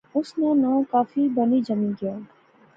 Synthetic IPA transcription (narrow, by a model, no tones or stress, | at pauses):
ʊsnenãːkaːfibɐnid͡ʒɐmĩːnkijaː